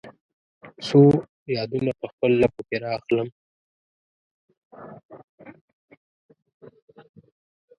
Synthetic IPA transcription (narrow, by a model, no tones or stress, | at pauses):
so | jɑd̪unapəxpəlːapokeɾɑxləm